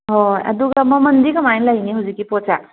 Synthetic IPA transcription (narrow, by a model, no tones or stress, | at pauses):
ɦoa̰d̪uɡaməmənd̪ikəmajnlainiɦud͡zikipɔt͡sa